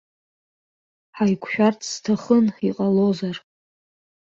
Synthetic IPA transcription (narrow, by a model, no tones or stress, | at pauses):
ħajkʷʰʃᶣartʰstʰaχəniqʼalozar